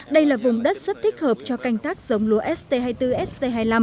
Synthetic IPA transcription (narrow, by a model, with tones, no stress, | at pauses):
ɗə˧jlaː˨˩vʊ˨˩ŋ͡mɗə˦˥t̚sə˦˥t̚t̪ʰï˦˥k̟̚həː˨˩p̚t͡ɕɔ˧ka˧jŋ̟t̪aː˦k̚sə˨˦wŋ͡mlu˨˦ʔɛ˦˥st̪e˧ɦaː˧jt̪ɨ˧ʔɛ˦˥st̪e˧ɦaː˧jla˧m